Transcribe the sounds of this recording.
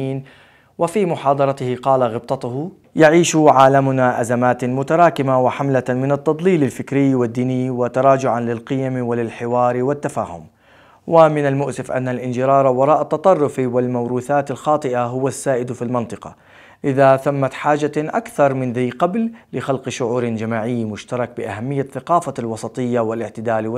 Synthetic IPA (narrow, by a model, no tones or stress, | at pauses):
iːn | wɪfimʊħɑːd̪ˤɑɾˤɑt̪ɪhɪqɑːlaɣɪb̚t̪ˤɑt̪ʊhʊ | jaʕiːʃʕaːlamʊnaʔazamaːt̪mʊt̪aɾˤɑːkɪmawɪħamlamɪnat̪ːɑd̪ˤliːlalfɪkɾɪjːwɪd̪ːiːnɪjwɪt̪ɑɾˤɑːd͡ʒʊʕanlɪlqɪjamwɪlɪlħɪwɑːɾwɪt̪ːafa̰ːhʊ̰m | wʔɪmɪnalmʊʔsɪfʔa̰nːalʔɪnd͡ʒɪɾɑːɾˤwɑɾˤɑːʔat̪ːɑt̪ˤɑrˤːʊfwɪlmawɾuːθaːt̪alxɑːt̪ˤɨʔaɦʊwasːaːʔɪd̪filmɪnt̪ˤɨqɑ̰ | ʔɪðaθamːat̪ħaːd͡ʒaʔakθɑɾˤmɪnðajqabllɪxalqʃʊʕuːɾd͡ʒamaːʕɪjːmʊʃt̪ɑɾˤɑk̚bɪʔaɦamːɪjːaθaqɑːfalwɑsˤɑt̪ˤɨjːawɪlɪʕt̪ɪd̪aːl